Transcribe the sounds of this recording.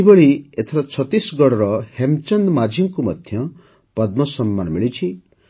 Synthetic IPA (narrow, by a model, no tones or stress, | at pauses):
ibɔɭiet̪ʰɔɾat͡ʃʰɔt̪isɡɔɽɾɔhemt͡ʃʌnd̪mad͡ʒʱiŋkumɔd̪ʱjʌ | pʌd̪̚mɔsɔmːanmiɭit͡ʃʰi